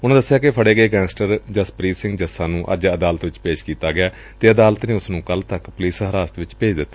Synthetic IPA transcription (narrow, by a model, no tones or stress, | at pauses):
ʊnãːd̪əsːjaːkepʰəɽeːɡəeːɡɛ̃ːsʈəɾd͡ʒəspɾiːsɪ̃ŋɡd͡ʒəsãːnũːʔə̰d͡ʒəd̪aːlət̪ʋɪt͡ʃpeːʃkiːt̪aːɡɪjaː | t̪eːəd̪aːlət̪neːʊsnũːkəlt̪əkpʊliːsɦəɾaːst̪ʋɪt͡ʃpeːd͡ʒd̪ɪt̪ːaː